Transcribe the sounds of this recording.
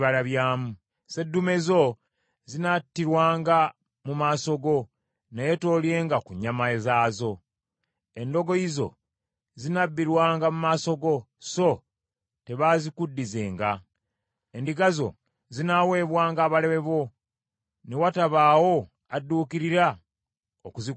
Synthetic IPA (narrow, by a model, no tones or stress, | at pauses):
βaɾaβjaːmu | se̞dːume̞zo̞ | zinatːiɾwaːŋɡa | mumaːso̞ɡo̞ | nejeto̞ːlje̞ːŋɡakuɲamaezaːzo̞ | e̞ndo̞ɡo̞izo̞̰ | zinabːiɾwaːŋɡamumaːso̞ɡo̞ | so̞ | te̞βazikudːize̞ːŋɡa | endiɡazo̞̰ | zinawe̞ːβwaːŋɡaːβale̞βe̞βo̞ | newataβaːwo̞ | adːuːkiɾiɾa | okuzi